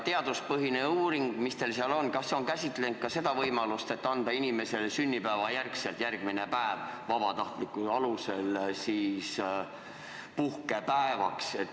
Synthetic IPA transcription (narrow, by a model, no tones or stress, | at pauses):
t̪e̞ɑd̪uspɤɦineuːɾiŋɡ̥mist̪e̞lsiɑlo̞nkɑsːeo̞nkæsʲit̪ˑle̞nt̪̚kɑse̞d̪̥ɑvɤjmɑlust̪e̞t̪ːɑnd̪̥ɑinime̞se̞lesynʲːipæːvɑjærkse̞lt̪jærɡ̥mine̞pæevvɑb̥ɑt̪ɑht̪likːˑuɑluselsiːs | puhkepæevɑkset̪ː